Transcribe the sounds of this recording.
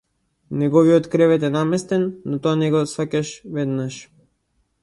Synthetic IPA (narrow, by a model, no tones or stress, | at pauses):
nɛɡɔviɔt̪kɾɛvɛt̪ɛnamɛst̪ɛnːɔt̪ɔanɛɡɔsvacaʃvɛd̪naʃ